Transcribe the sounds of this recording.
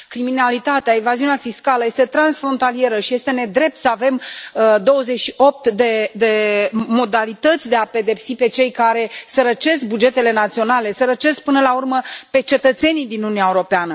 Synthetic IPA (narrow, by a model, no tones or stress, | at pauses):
kɾiminalit̪at̪eaevaziuneafiskaləje̞st̪e̞t̪ɾansfɾo̞nt̪alije̞ɾəʃije̞st̪e̞ne̞d̪ɾe̞p̚t̪səave̞md̪o̞wəzeʃio̞p̚t̪d̪e̞d̪e̞mo̞d̪alit̪ət̪sʲd̪e̞ape̞d̪e̞psipe̞t͡ʃe̞jkaɾe̞səɾət͡ʃe̞sk̚bud͡ʒe̞t̪e̞le̞nat̪sio̞nale̞səɾət͡ʃe̞sk̚pɨnəlaurməpe̞t͡ʃe̞t̪ət̪se̞nid̪inununiaewuɾo̞peanə